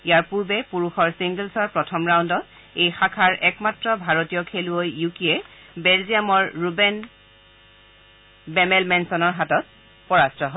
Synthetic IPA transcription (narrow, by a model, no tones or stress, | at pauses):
ijaɹpuɹbɛpuɹuxɔɹsiŋɡəlsɔɹpɹɔtʰɔmɹawndɔt̚ | ejxakʰaɹʔɛkmatɹɔbʱaɹotijɔkʰeluojːukiɛ | bɛlzijamɔɹɹubɛn | bɛmɛlmɛnsɔnɔɹɦatɔt̚ | pɔɹastɔɦɔ